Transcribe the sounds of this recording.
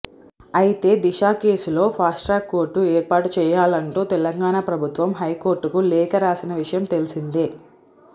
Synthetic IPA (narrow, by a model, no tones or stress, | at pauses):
ɐjit̪e̞ːd̪iʃaːke̞ːsulo̞ːpʰaːsʈɾaːkːo̞ːɾʈːuɛːɾpaːʈut͡ʃɛːjaːlɐɳʈuːt̪ɛlɐŋɡaːnaːpɾɐbʱut̪ʋɐmɦɐjko̞ːɾʈukulɛːkɐɾaːsinɐʋiʂɐjɐmt̪e̞lisind̪i